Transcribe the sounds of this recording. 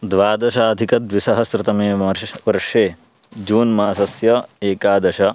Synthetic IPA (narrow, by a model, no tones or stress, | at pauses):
d̪ʋaːd̪ɐʃaːd̪ʱikɐd̪ʋisɐɦɐsɾɪt̪ɐmeːʋɐɾʂeː | d͡ʒuːnmaːsɐsjɐeːkaːd̪ɐʃɐ